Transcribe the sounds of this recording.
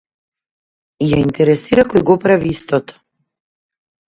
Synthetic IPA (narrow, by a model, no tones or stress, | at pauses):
ijaint̪ɛɾɛsiɾakɔjɡɔpɾaviist̪ɔt̪ɔ̥